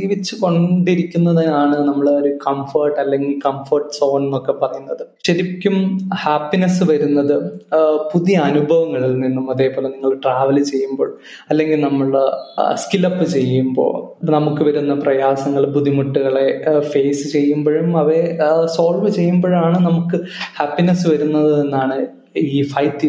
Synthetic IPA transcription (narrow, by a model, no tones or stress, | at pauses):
iːʋit͡ɕːɨko̞ɳɖiɾikʲːunːɐðnaːɳɨnɐmːɐɭeoɾukɐmfɐrʈːɐlːe̞ŋɡilkɐmfɐrʈɨ̥so̞ːnnokːe̞pɐrɐjunːɐðɨɕɐɾikʲːumhaːpːinɐsɨʋɐɾunːɐðɨpuðiɐnubʱɐʋɐŋːɐɭilninːumɐðe̞ːpo̞ːleniŋːɐɭkɨʈraːʋɐlt͡ɕe̞jːumboːɻm | ɐlːe̞ŋɡilnɐmːɐɭskilɐpːɨt͡ɕe̞jːumbo̰ːnɐmukːɨʋɐɾunːɐprɐjaːsɐŋːɐɭpuðimuʈːuɣɐɭe̞fe̞ːsɨt͡ɕe̞jːumboːɻumɐʋeso̞ːlʋɨt͡ɕe̞jːumboːɻaːɳɨnɐmukːɨhaːpːinɐsɨʋɐɾunːɐðɨenːaːɳɨ | iːfɐjtːi